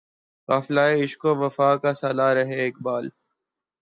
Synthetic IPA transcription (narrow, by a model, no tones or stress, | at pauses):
kaːfɪlaːeɪʃkoːʋəfaːkaːsaːlaːɾəɦeːeːkbaːl